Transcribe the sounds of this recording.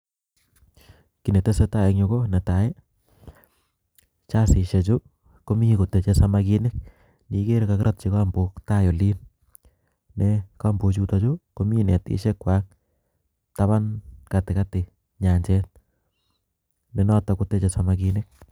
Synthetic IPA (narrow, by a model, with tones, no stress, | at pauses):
ki˨ne˨te˦se˦ta˦˨e˨kɲo˧ko˦ne˨ta˨je˦ | t͡ʃa˦sɪ˨ʃe˨t͡ʃo˦ | ko˦mi˦ko˨te˨t͡ʃe˧sa˧ma˧ki˧nɪ˦k̚ | ni˨ke˦ɾka˨kɪ˦ɾa˦t̚t͡ʃi˧ka˦mbo˨kta˦jo˨li˦n | nɛ˦ka˦mbo˨t͡ʃu˦ta˦t͡ʃo˦ko˦mi˦nḛ˨tɪ̰˦ʃe˦kwa˦k̚ | ta˦βa˦nka˨tɪ˨ka˦tɪ˨ | ɲa˨ɲt͡ʃɛ˦n | ne˨nɔ˦ta˨ku˦te˦t͡ʃe˨sa˨maki˧ne˦k̚